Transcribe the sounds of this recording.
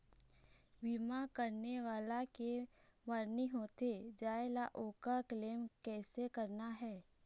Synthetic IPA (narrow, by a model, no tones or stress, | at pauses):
ʋimakəɾneʋaːlakeməɾniɦoːt̪ed͡ʒaːelaʔoːkakleːmkɛːsekəɾnaɦɛː